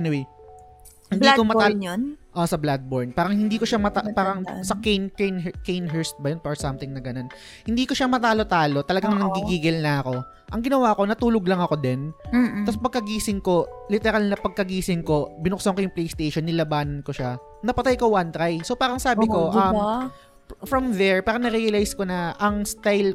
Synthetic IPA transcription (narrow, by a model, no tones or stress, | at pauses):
ʔɛnɪwej | hɪnd̪ikomɐaʔosɐblad̪̚boɹnpaːɾɐŋhɪnd̪iːkoʃamɐt̪apaːɾɐŋsɐknknkejnɦɛɹst̪̚bɐjonfɐɹsɐmt̪ɪŋnɐɡɐnon | hɪnd̪iːkoʃamɐt̪aːlo̞t̪aːlo̞t̪ɐlɐɡaŋnɐŋɡiɡiːɡɪlnɐɐko̞ | ʔɐŋɡɪnɐwaːʔko̞nɐt̪uːloɡlɐŋɐko̞d̪ɛnt̪ɐspɐɡ̚kɐɡiːsɪŋko̞lɪt̪ɛɾalnɐpɐɡ̚kɐɡiːsɪŋko̞bɪnʊksoŋkojʊŋplejst̪ejʃonːɪlɐbaːnɐnko̞ʃa | nɐpɐt̪ajkowant̪ɾajsopaːɾɐŋsaːbɪko̞ʔɐm | fɹɐmðɛɹpaːɾɐŋnɐɾijɐlajsko̞nɐʔɐŋst̪ajl